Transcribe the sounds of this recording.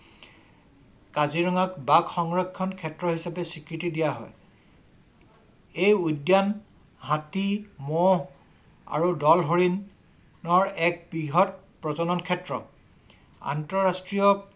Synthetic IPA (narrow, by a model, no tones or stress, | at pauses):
kaziɹɔŋakbakxɔŋɹɔkʰːɔnkʰɛtɹɔɦisapɛsikɹitidijaɦɔ̰j | ejudjan | ɦãtimɔ | a̰ɹudɔlɦoɹinː | ɔɹɛk̚biɦɔt̚ | pɹɔzɔnɔnkʰɛtɹɔ | a̰ntɔɹastɹijɔ